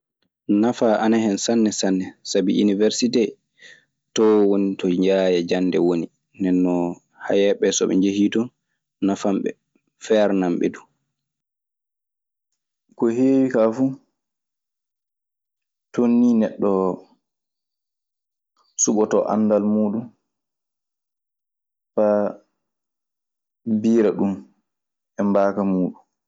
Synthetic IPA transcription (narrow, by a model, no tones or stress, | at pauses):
nafaʔanahɛnsanːɛsanːɛsabiinivɛɾsitɛ | tɔwonitʰɔɲd͡ʒaːjad͡ʒanːdɛ̰woni | nɛnːɔ | ha̰jɛɓɛsɔɓɛ̰ɲd͡ʒehiːtɔn | nafamɓɛ̰ | fɛɾnamɓɛ̰du | kɔheːwikafuː | tonːiːnɛɗːɔ | suɓɔtɔʔa̰nːdalmuːɗum | pa | biːɾaɗum | ɛmbaːkamuːɗum